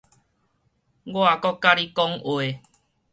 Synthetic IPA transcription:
ɡwa˨kɔ˦˨kːa˦ɾi˦kɔ˦ŋwe˨

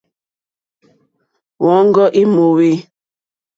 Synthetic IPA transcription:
wɔ˨˦ŋ˦ɡɔ˦ʔi˦mo˨we˦

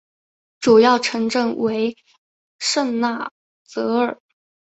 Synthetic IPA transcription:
ʈ͡ʂu˨˩jɑ˥˩ʊʈ͡ʂʰɤ˧˥ŋʈ͡ʂɤ˥˩ŋwe˧˥ɪ | ʂə˥˧ŋna˥˩ | t͡sɤ˧˥ə˞˨˩˦

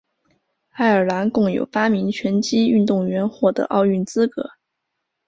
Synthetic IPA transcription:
a˥˩ɪə˞˨˩la˧˥nkʊ˥˩ŋjo̰˨˩ʊpa˥mi˧˥ŋt͡ɕʰɥɛ˧˥nt͡ɕi˥y˥˧nt̪ʊ˥˩ŋɥɛ˧˥nxwɔ˥˩d̪ə̰˩ʔɑ˥˧ʊy˥˩nt͡sɹ̩˥kɤ̰˧˥˦

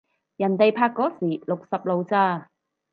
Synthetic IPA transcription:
jɐ˨˩nt̪e˨jpʰaː˧kːɔː˨˥siː˨˩lʊ˨k̚sɐ˨p̚lo˨˧wt͡saː˧

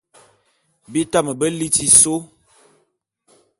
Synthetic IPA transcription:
bi˦ta˦mə˨bə˦li˦ti˦so˦

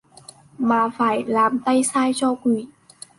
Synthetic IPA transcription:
maː˨˩faː˧˩jlaː˨˩mt̪a˧jsaː˧jt͡ɕɔ˧kwi˧˩˦

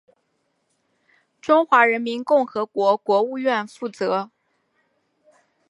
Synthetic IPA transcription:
ʈ͡ʂʊ˥ŋxwa˧˥ɻə˧˥nmi˧˥nkʊ˥˩ŋxɤ˧˥kwɔ˧˥kwɔ˧˥u˥˧ɥɛ˥˧nfu˥˩t͡sɤ˧˥

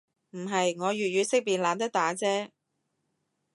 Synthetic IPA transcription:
m̩˨˩ɦɐ˨jŋɔː˨˧ɥyː˨t̚jyː˨˧sɪ˥k̚piː˨˩nlaː˨˧nt̪ɐ˥k̚t̪aː˨˥t͡sɛː˥

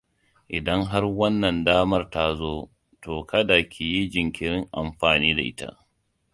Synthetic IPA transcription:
ʔɪ˨dɐ˦ŋɦa˦rwɐ˦nːɐ˨ndaː˦mɐ˦rta˦zoː˦ | toː˨kʰɐ˦da˨kʲi˨ji˦d͡ʒɪ˨ŋkʲɪ˨ɾɪ˦ŋʔa˨mɸaː˨niː˦da˨ʔɪ˦ta̰˦ʔ

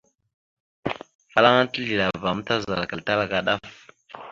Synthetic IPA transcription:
fa˦la˦ŋa˦ti˦ɮi˨la˨va˨m˦ta˦za˨lka˨ta˦la˦ka˨ɗa˦f

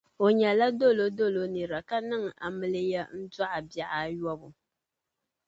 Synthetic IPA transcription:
o˨ɲɛ˨la˦do˦lo˦do˦lo˨nɨ˨ɾa˨ka˦nɨ˦ŋ˨a˨mɨ˨lɨ˦ja˦n̩˦da˦ʔa˨bja˨ʔa˨jɔ˦bʊ˨

